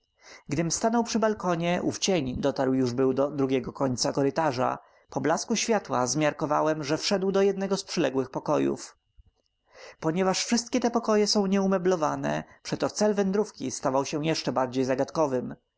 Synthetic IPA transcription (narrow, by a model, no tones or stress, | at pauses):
ɡd̪ɘmst̪anɔwpʂɘbalkɔɲɛʔṵft͡ɕeɲd̪ɔt̪aɾwjuʐbɘwd̪ɔd̪ɾuɡʲɛɡɔkɔɲt̪sakɔɾɘt̪aʐa̰ | pɔblaskuɕfʲjat̪wa̰zmʲjaɾkɔva̰wɛmʐɛfʂɛd̪wd̪ɔjɛd̪nɛɡɔspʂɛlɛɡwɘxpɔkɔjṵf | pɔɲɛvaʂfʂɘst̪̚kʲɛt̪ɛpɔkɔjɛsɔ̃w̃ɲɛumɛblɔvanɛ̰pʂɛt̪ɔt̪sɛlvɛnd̪ɾufkʲist̪avawɕɛ̃jɛʂt͡ʂɛbaɾd͡ʑejzaɡat̪kɔvɘm